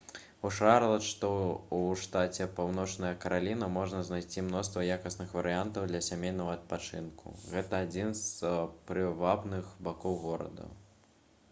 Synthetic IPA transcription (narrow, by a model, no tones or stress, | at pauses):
uʂaɾlˠɐʂt̪ɔuʂt̪at͡sʲɛpawnɔt͡ʂnɐjɐkɐɾalʲinɐmɔʐnɐznajsʲt͡sʲimnɔst̪vɐjakɐsnɨxvɐɾɨjant̪ɐwd̪lʲɐsʲamʲejnɐɣɐɐt̪̚pat͡ʂɨ̰nkṵɣɛt̪ɐːd͡zʲinzpɾɨvabnɨxbakɔwɣɔɾɐ̰d̪ɐ̰